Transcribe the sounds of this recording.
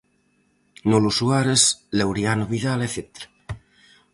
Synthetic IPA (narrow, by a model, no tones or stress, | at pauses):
nolusuaɾeslewɾjanoβiðaleθet̪eɾa